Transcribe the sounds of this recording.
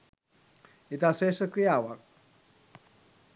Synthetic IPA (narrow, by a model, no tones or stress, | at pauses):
it̪asesəkɾijawak̚